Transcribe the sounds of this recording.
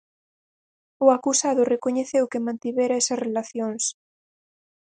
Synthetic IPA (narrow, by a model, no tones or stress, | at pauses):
ʊakusaðʊrekoɲeθewkemãnt̪iβɛɾaɛsɐsrelaθjoŋs